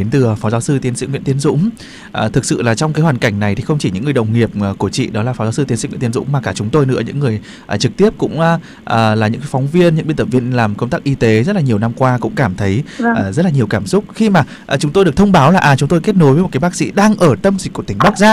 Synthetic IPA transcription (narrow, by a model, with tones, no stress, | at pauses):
e˨˦nt̪ɨ˨˩fɔ˨˦zaː˨˦wsɨ˧t̪i˨˦nsḭ˧˥ŋwḭ˧˥nt̪i˨˦ənzʊ̰˧˥ŋ͡m | ʔəː˨˩t̪ʰɨ˨˩k̚sɨ̰˧˨laː˨˩t͡ɕɔ˧wŋ͡mkaː˨˦jhwaː˨˩nka˧˩jŋna˨˩jt̪ʰi˨˩xə˧wŋ͡mt͡ɕi˧˩ɲɨ̰˧˥ŋːɨ˨˩ə˩jɗə̰˨˩wŋ͡mŋi˨˩əp̚ːku˧˩ət͡ɕḭ˧˨ɗɔ˨˦laː˨˩fɔ˨˦zːwsɨ˧t̪i˨˦nsŋw̰̪nzʊ̰˧˥ŋ͡mmaː˨˩kaː˧˩t͡ɕʊ˨˦ŋ͡mt̪o˧jnɨ̰˧˥əɲɨ̰˧˥ŋːɨ˨˩əj | ʔːt͡ɕɨ˨˩k̚t̪i˦˥əp̚kʊ̰˧˥ŋ͡mʔ | ʔəː˨˩laː˨˩ɲɨ̰˧˥ŋkːfɔ˨˦wŋ͡mvi˧ənɲɨ̰˧˥ŋɓi˧nt̪ə˧˩vi˧ənlaː˨˩mkə˧ŋ͡mt̪aː˦˥k̚ʔi˧t̪e˨˦zə˦˥t̚la˨ɲi˨˩əwna˧mkwaː˧kʊ̰˧˥ŋ͡mkaː˧˩mt̪ʰə˨˦jzə˦˥t̚laː˨˩ɲi˨˩əwkaː˧˩msʊ˦˥k͡p̚xi˧maː˨˩ | ʔt͡ɕʊ˨˦ŋ͡mt̪o˧jɗk̚t̪ʰə˧wŋ͡mɓaː˨˦wlaː˨˩ʔaː˨˩t͡ɕʊ˨˦ŋ͡mt̪o˧jke˦˥t̚no˨˦jvə˨˦o˨˩t̚ka˨˦jɓaː˦˥k̚sḭ˧˥ɗaː˧ŋʔəː˧˩t̪ə˧mzi˨˩ku˧˩t̪ï˧˩ŋɓa˦˥k̚zaː˧